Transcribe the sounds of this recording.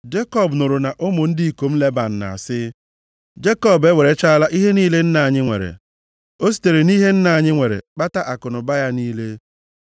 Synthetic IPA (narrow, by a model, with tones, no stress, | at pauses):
d͡ʒe˦kɔ˦˨bnʊ˨ɾʊ˨na˨ʔʊ˦mʊ˨n̩˦di˦i˨ko˨m̩˦le˦ba˨n̩˨na̰˨a˨sɪ˦ | d͡ʒe˦kɔ˦˨be˦we˨ɾe˦t͡ʃa˦a˦la˦ʔi˦ɦe˦niː˦le˦n̩˦na˨a˨ɲɪ˦ŋʷḛ˨ɾḛ˨ | o˦s̬i̥˨te˨ɾe˨niː˦ɦe˦n̩˦na˨a˨ɲɪ˦ŋʷe˨ɾḛ˨k͡pa˦ta˦ʔa˨kʊ˨nʊ˨ba˦ja˦niː˦le˦